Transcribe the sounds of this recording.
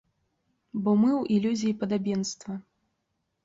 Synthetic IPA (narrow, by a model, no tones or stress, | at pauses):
bɔmɨwilʲuzʲijipɐd̪abʲinst̪vɐ